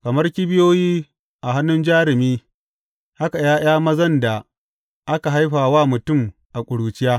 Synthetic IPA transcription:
kɐ˨mɐ˦rkʲi˦bɪ˦joː˦jiː˦ | ʔa˨ɦa˦nːʊ˦nd͡ʒaː˦ɾɪ˨miː˦ | ha˦ka˨jaː˦j̰aː˦mɐ˦zɐ˦nda˨ | ʔa˦ka˨ɦa˦jɸaː˨waː˦mʊ˨tʊ˦˨m | ʔa˨kʷʼʊ˨ɽuː˨t͡ʃɪ˦jaː˦

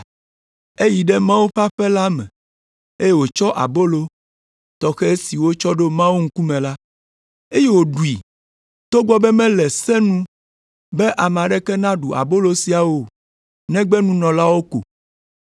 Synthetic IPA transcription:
e˦ji˨ɖɛ˦mã˦wo˦ɸa˦ɸɛ˦la˦mɛ̰̃˨ | e˦je˦wo˨t͡ʃɔ˦ʔa̰˨bo˦lo˦ | t̪ɔ˨xɛ˦e˦si˨wo˦t͡ʃɔ˦ɖo˦mã˦wo˦ŋ̩˦ku˦mɛ̃˨la˦ | e˦je˦wo˨ɖu˨i˨ | t̪o˦ɡ͡bɔ˦bɛ˦mɛ̃˦lɛ˨sɛ˦nũ˦ | bɛ˦ʔa˨m˨a˨ɖɛ˦kɛ˦nã˦ɖu˨a̰˨bo˦lo˦si˨a˨wo˦˨ | nɛ̃˦ɡ͡bɛ˦nũ˦nɔ̃˨la˦wo˦ko̰˨

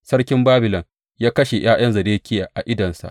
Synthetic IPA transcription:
sɐ˦rkʲɪ˦mbaː˦bɪ˨lɐ˨ŋ | jaː˦kɐ˦ʃe˨j̰aː˦j̰ɐ˦nzɐ˨deː˦kʲɪ˦jaː˨ʔa˨ʔɪ˦dɐ˨nsa̰˨ʔ

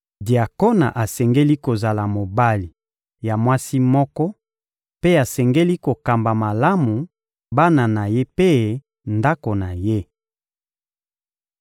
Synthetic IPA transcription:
dja˨ko˦na̰˨ʔa˨sɛ˨ŋɡe˦li˦ko˨za˨la˨mo˨ba˦li˨ | ja˨mwa˦si˦mɔ˦kɔ˦ | pe˦a˨sɛ˨ŋɡe˦li˦ko˨ka˨mba˨ma˨la˦mu˨ | ba˦na˨na˨je˦pe˦˨ | nda˦ko˨na˨je˦

